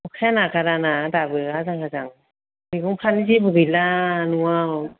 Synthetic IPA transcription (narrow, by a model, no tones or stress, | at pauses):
ɔkʰaanakaɾanadabɯazaŋkʰazaŋ | miɡɯŋpʰanizibɯɡɯjlanɯaw